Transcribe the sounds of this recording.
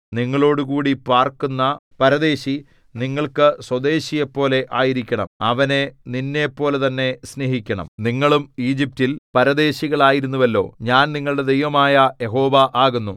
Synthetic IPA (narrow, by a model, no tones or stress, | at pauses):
niŋːɐɭo̞ːɽukuːɽipaːrkunːɐpɐɾɐd̪e̞ːɕi | niŋːɐɭkɨswɐd̪e̞ːɕijepːo̞ːle̞ʔaːjiɾikʲːɐɳɐ̰mɐʋɐne̞ninːe̞pːo̞ːle̞t̪ɐnːe̞sneɦikʲːɐɳɐ̰mniŋːɐɭumiːd͡ʑip̚tilpɐɾɐd̪e̞ːɕiɣɐɭaːjiɾunːuʋɐlːo̞̰ːɲaːnniŋːɐɭuɽe̞d̪ejʋɐmaːjɐje̞ɦo̞ːʋɐʔaːɣunːu